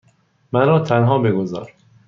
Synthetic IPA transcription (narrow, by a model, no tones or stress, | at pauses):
mænɒːt̪ʰænɦɒːbeɡozɒ̰ːɾ